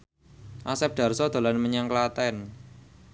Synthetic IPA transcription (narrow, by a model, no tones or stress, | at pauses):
ʔasɛp̚d̪̥a̤rsɔd̪̥a̤lanməɲaŋklat̪ɛn